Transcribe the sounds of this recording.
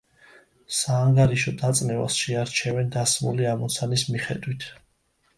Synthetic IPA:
saːŋɡaɾiʃɔd̪at̪sʼnɛva̰sʃɛaɾt͡ʃʰɛvɛnd̪asmuliamɔt̪sʰanismiχɛ̰d̪wit̪ʰ

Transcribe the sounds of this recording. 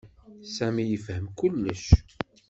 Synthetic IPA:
sæmijəfhəmkʊlːəʃ

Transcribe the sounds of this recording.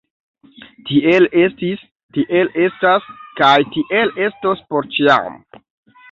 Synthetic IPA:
tielestis | tiʔele̞staskajtiʔele̞stospoɾt͡ʃia̰m

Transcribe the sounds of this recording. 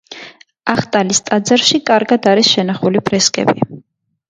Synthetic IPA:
aχt̪ʼalist̪ʼad̪zaɾʃikʼaɾɡad̪aɾisʃɛnaχulibʰʼɾɛskʼɛ̰bḭ

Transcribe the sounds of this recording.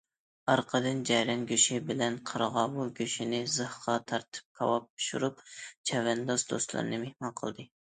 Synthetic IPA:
ɑɾqʰəd̪ɨnd͡ʒɛjɾɛnɡʲøʃibɪlɛnqʰəɾʁɑːwuɡʲøʃinɪzɨhqɑt̪ʰɑɾt̪ʰɨ̥p̚kʰɑ̰wɑp̚by̥ʃuɾup̚t͡ʃʰɛvɛnd̪ɑzd̪o̰st̪lˠɨ̰ɾɨnɨmehmɑnqʰəlˠd̪ɨ

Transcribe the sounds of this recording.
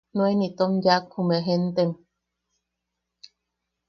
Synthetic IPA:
nw̃enit̪omjakhumeɦent̪em

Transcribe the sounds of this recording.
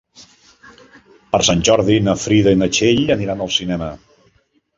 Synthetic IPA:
pəɾsanʲʒɔɾðinəfɾiðəinət͡ʃeʎəniɾanəlˠsinɛmə

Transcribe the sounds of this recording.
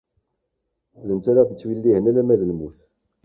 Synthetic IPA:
lənt͡sːæɾadət͡sːwilːihənælæmæðəlmuθ

